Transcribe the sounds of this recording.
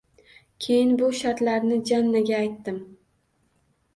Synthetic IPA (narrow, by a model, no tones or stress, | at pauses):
kʲʰe̞jɪnbʊʃaɾt̪laɾnɪd͡ʒanːaɡʲaːjt̪ːɪm